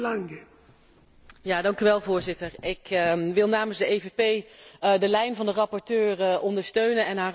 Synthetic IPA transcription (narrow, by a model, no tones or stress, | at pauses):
laŋɡə | jaːdɑŋkyʋɛlˠvʊːɹzɪtəɹɪkʋɪlˠnaːməzdəejvepejdəlɛjnvɑndərɑpɔɹtøːrəʔɔndəɹstøɥnənɛnɦaː